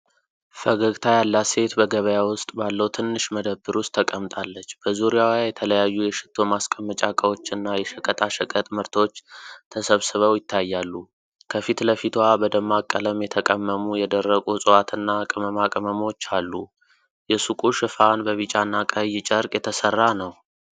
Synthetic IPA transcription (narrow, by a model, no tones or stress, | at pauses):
fəɡəɡt̪ʰajalːase̞t̪bəɡəβəjawʊst̪ʼbalːəwt̪ʰɨnːɨʃməd̪əbːɨɾʊst̪ʰːəkʼəmt̪ʼalːət͡ʃːb̥əzuɾijawjajɛt̪ʰələjajːujɛʃɪ̥t̪ʰːo̞maskʼəmːət͡ʃʼakʼəwo̞t͡ʃːɨnːajɛʃəkʼət̪ʼʰaʃəkʼət̪ʼməɾt̪ʰo̞t͡ʃːt̪ʰəsəβsɨβəwjɪt̪ʰːajːalːu | kʰəfit̪ləfit̪ʰwabəd̪əmːakʼːələmjɛt̪ʰəkʼəmːəmujɛd̪ərːəɡʼusʼɨwat̪ʰɨnːakʼəməmakʼəməmot͡ʃːalːu | jɛsukʼuʃɨfanbəβɨt͡ʃʼanːakʼəjːɪt͡ʃʼəɾkʼjɛt̪ʰəsərːanəw